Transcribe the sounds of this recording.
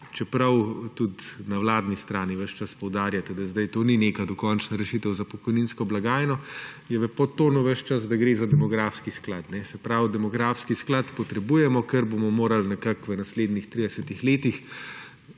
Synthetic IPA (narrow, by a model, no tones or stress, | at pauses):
t͡ʃɛpɾɐwt̪ut̪nawlaːd̪nist̪ɾaːniʋəʃt͡ʃaspɔwd̪aːɾjat̪ɛd̪azd̪ajt̪oːnineːkad̪ɔkɔnt͡ʃnaɾɛʃit̪ɛwzapɔkɔjninskɔblaɡaːjnɔjɛʋəpɔt̪oːnuʋəʃt͡ʃazd̪ɐɡɾeːzad̪ɛmɔɡɾaːfskisklaːt̪nɛsɛpɾawd̪ɛmɔɡɾaːfskisklat̪pɔt̪ɾɛbujɛmɔkəɾbomɔmoːɾalnɛkakʋənasleːd̪nixt̪ɾid̪ɛsɛt̪ixleːt̪ix